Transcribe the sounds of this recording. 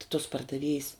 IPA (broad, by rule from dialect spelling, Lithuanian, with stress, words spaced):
tʲɪ toːs pɐrdɐˈʋʲiɛjs